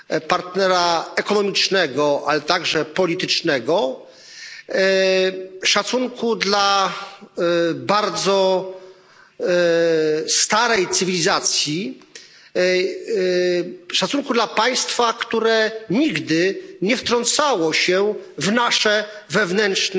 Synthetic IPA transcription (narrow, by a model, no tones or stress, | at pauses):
paɾt̪nɛɾaɛkɔnɔmʲit͡ʂnɛɡɔʔalɛt̪aɡʐɛpɔlʲit̪ɘt͡ʂnɛɡɔ | ʂat̪suŋkud̪la | baɾd̪zɔ | st̪aɾɛjt̪sɘvʲilʲizat̪sʲji | ʂat̪suŋkud̪lapaj̃st̪fakt̪uɾɛɲiɡd̪ɘɲɛft̪ɾɔnt̪sawɔɕɛvnaʂɛ | vɛvnɛnʂn